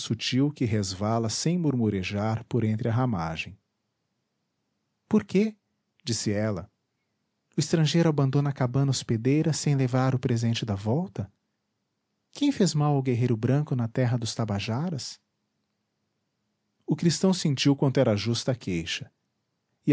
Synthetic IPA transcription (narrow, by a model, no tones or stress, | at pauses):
sut͡ʃiwkɪɦezvalɐsẽj̃muɾmuɾeʒaɾpʊɾẽnt̪ɾɪɐɦama̰ʒẽj̃ | poɾke | d͡ʒisɪɛlɐ | ʊɪst̪ɾɐ̃ʒejɾʊabɐ̃nd̪õnɐakabɐ̃nɐosped̪ejɾɐsẽj̃levaɾʊpɾezẽnt͡ʃɪd̪ɐvɔwt̪ɐ | kʰẽj̃fezmawawɡeɦejɾʊbɾɐ̃ŋkʊnɐt̪ɛɦɐd̪ʊst̪abaʒaɾɐs | ʊkɾist̪ɐ̃w̃sẽnt͡ʃiwkwɐ̃nd̪ʊɛɾɐʒust̪ɐkʰejʃɐ̥ | ɪ